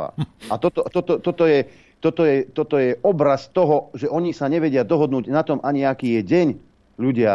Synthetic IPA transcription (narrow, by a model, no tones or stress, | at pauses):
a̰at̪ɔt̪ɔt̪ɔt̪ɔt̪ɔt̪ɔjɛ | t̪ɔt̪ɔjɛt̪ɔt̪ɔjɛɔbɾast̪ɔɦɔʒɛʔɔɲisaɲɛʋɛɟɪad̪ɔɦɔd̪nuːɟnat̪ɔmʔaɲiakiːjɛɟɛɲ | ʎuɟɪa